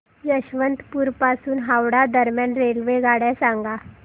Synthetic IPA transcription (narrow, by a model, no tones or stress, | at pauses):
jəɕʋənt̪puːɾpasuːnɦawɽad̪əɾmjanɾelʋeɡʱaɽasãŋɡa